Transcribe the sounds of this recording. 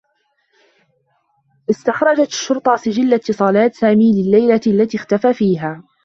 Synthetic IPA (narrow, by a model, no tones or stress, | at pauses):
ʔɪst̪axɾˤɑd͡ʒat̪ʃːʊɾt̪ˤɑsɪd͡ʒɪlːat̪ːɪsˤɑːlaːt̪saːmiːlɪlːajlaʔalːat̪ixt̪afaːfiːɦaː